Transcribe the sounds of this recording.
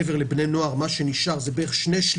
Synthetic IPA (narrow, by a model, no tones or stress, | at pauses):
eveʁlebnejnoaʁmaʃeniʃaʁzebeʁeʃneʃl